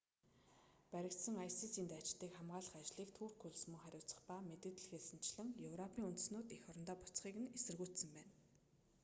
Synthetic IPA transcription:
pæɾʲɪ̆kt̪sə̆ŋajsisiːnt̪at͡ɕɪ̆ɮt̪iːkχamɢaːɮə̆χat͡ɕɮiːkt̪ʰuːrkʰuɮsmŭŋχæɾʲʊːt͡sə̥̆χpamet̪ɘ̆t̪̆ɮxeɮsɘ̆n̥t͡ɕɮɘ̆ŋjɵwrɔpʰiːŋunt̪̆snʊːt̪ixɔɾɞ̆nt̪aːpʊt͡sχiːkɘ̆nesɘ̆rɣujʰt̪sə̆mpæːn

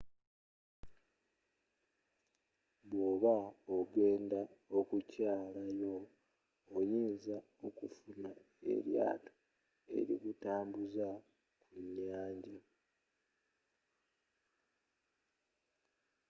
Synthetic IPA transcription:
βoːβaoɡeːndaokucaːlajo̞ː | jiːnza | o̞kufuna | e̞̰ɾja̰ːto̥ | e̞̰ɾḭkutaːmbuza | kuɲːaːɲɟa

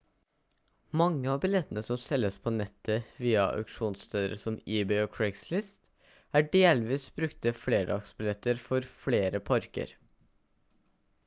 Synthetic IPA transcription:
mɑŋːəɑːbɪlɛt̪ənəsɔmsɛlːəspʰoːnɛt̪ʰːəʋiːɑʔɑ̰ʉkʂuːnst̪ʰeːd̪əɾə̰sɔmiːbɛoːkʰɹɛkslɪst̪ | æːɖeːlʋiːsbɾʉkt̪əfleːɖɑ̰ɡsbɪlɛt̪ːəɾfɔɾfleːɾəpʰɑɾkə̰ɾ

